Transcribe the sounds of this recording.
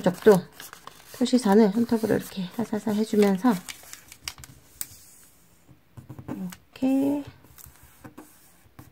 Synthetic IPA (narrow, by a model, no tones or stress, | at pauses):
d͡ʑʌk̚t͈o | pʰjoɕ͈ʰisʰanɯɭsʰʌntʰʌbɯɾo̰ḭɾʌkʰe̞hasʰasʰʌɦe̞d͡ʑumjʌnsʰʌ | ɾʌkʰe̞